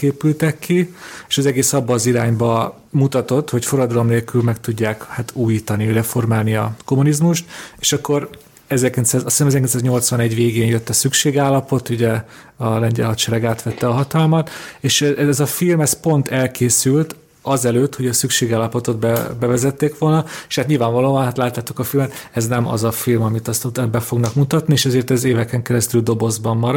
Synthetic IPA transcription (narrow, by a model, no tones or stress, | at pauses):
keːpylt̪ɛkːieːʃɒzɛɡeːsɒbːɒːziɾaːɲbɒ | mut̪ɒt̪o̞t̪ho̞cfo̞ɾɒd̪ɾomneːlkylmɛkt̪uɟːaːkhat̪ʰuːjiːt̪ɒnirɛfo̞rmaːlniɒko̞munizmuʃt̪eːʃɒkːo̞r | ɛzɛrkint̪saːzɒsisːmɛzɛɾrkinsaːzɲo̞lt̪sʋɒnɛɟʋeːɡeːnjø̞t̪ːɒsykʃeːɡaːlːɒpo̞t̪uɟɛ | ɒlɛɲɟɛ̰lɒt̪ʃɛɾɛɡaːt̪ʋɛt̪ːɛɒɦɒt̪ɒlmɒt̪eːʃɛɛzɒfilmɛspo̞nt̪ʰɛlkʰeːsylt̪ | ɒzɛløːt̪hoɟɒsykʃeːɡaːlːɒpo̞t̪o̞d̪bɛbɛvɛzɛt̪ːeːkʋo̞lnɒe̥ʃhaːt̪ɲilvaːɱvɒloːɒnɦaːt̪laːt̪laːt̪ukɒfilmɛt̪ɛznɛmɒ̰zɒfilmɒmit̪ɒst̪t̪bɛfo̞ɡnɒkmut̪ɒt̪nieːʃɛzeːrt̪ɛzeːvɛkɛŋkɛɾɛst̪yld̪o̞bo̞zbɒmːɒɾ